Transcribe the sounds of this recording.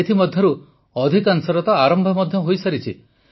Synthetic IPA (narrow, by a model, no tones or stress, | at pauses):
et̪ʰimɔd̪ʱjɔɾu | ɔd̪ʱikansɔɾɔt̪ɔaɾɔmbʱɔmɔd̪ʱjɔɦojsaɾit͡ʃʰi